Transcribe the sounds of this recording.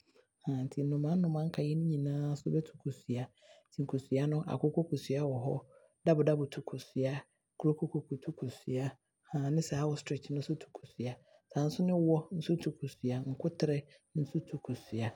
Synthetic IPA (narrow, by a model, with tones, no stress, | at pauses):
hã˨n̩˨tʰi˨nʊ̃˨mã˦n̩˦nʊ̃˨mã˦ŋ̩˦kʰa˨jɛ˦nʊ̃˦ɲĩ˨nãː˦sʊ˦bɛ˦tʰu̥˨kʰu˨sɥa˨ | tʰĩ˨ŋ˨kʰu˨sɥa˦nʊ̃˦ʔa̰˨kʊ˦ko˦kʰu˨sɥa˦wɔ˨ɦɔ̰˦ | da˦bʊ˨da˦bʊ˨tʰu˨kʰu˨sɥa˦ | kʰu˨ɾo˦kʰo˦kʰo˨kʰu˨tʰu˦kʰu˨sɥa˦ | hã˨nɪ̃˦sɛ˨a˦wɔ˦stʰɾɪ˨t͡ʃnʊ̃˦sʊ˦tʰu̥˨kʰu̥˨sɥa˨ | sã˨n̩˦sʊ˦nɪ̃˦wɔ˦n̩˦sʊ˦tʰu˨kʰu˨sɥa˨ŋ̩˨kʰʊ˦tʰɪ˨ɾɛ˦ | n̩˦su˦tʰu˨kʰu˨sɥa˨